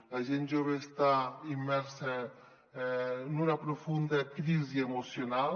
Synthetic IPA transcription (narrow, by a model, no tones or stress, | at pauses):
laʒend͡ʒoβest̪aimːɛɾse | nunapɾofund̪akɾiziemosjonal